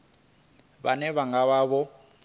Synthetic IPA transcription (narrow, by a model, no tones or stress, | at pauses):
βa̰nɛβaŋɡaβaβɔ